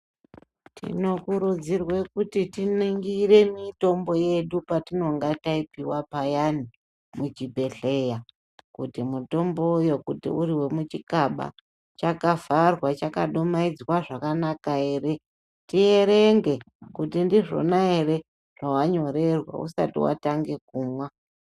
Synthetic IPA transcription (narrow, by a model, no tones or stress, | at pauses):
tʰḭno̞kuɾud͡zirwe̞kutitiniŋɡiɾe̞mito̞mbo̞je̞ɗupatino̞ŋɡataipiwapajani | mut͡ʃibʱe̞ɬe̞ja | kutimuto̞mbo̞ujo̞kutḭuɾiwe̞mut͡ʃikaɓa̰ | t͡ʃakavarwat͡ʃakaɗomaid͡zwaʐakanakae̞ːɾe̞ | tie̞ɾe̞ŋɡe̞ | kutindiʐo̰naere̞ | ʐ̥awaɲo̞ɾe̞rwa̰ṵsa̰tḭwa̰taŋɡe̞k̚uːmwa